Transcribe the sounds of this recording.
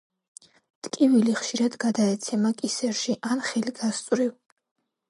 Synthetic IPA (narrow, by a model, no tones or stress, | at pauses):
t̪ʼkʼiviliχʃiɾad̪ɡad̪aɛt̪sʰɛmakʼisɛɾʃiʔanχɛliɡast̪sʼwɾiv